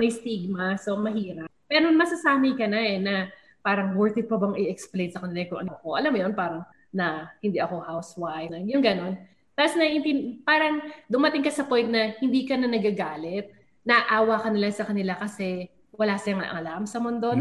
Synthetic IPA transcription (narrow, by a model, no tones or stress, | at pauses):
mɐjst̪iɡ̚mɐso̞mɐɦiːɾɐp̚ːɛːɾonmɐsɐsaːmɐjkɐnɐɛnɐ | paːɾɐŋwɛɹt̪ɪpɐbɐŋɪɛksplejnsɐkɐnɪlaɛkʊŋʔɐnokoʔɐlamjonpaːɾɐŋ | nɐhɪnd̪iʔɐko̞hawswajnɐjʊŋɡɐno̞n | t̪aposnɐʔɪnt̪ɪnpaːɾɐŋd̪ʊmɐt̪ɪŋkɐsɐpo̞jnt̪̚nɐhɪnd̪iːkɐnɐnɐɡaɡaːlɛt̪̚ | nɐʔaːwɐkɐnɪlaŋsɐkɐnɪlakɐsɛ | wɐlaːsɪjɐŋɐ̰ʔɐ̰lamsɐmond̪o̞